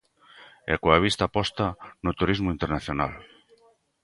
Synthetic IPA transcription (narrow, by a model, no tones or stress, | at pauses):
ɛ̰koaβ̞ist̪apɔst̪anʊt̪uɾizmoint̪eɾnaθjona̰l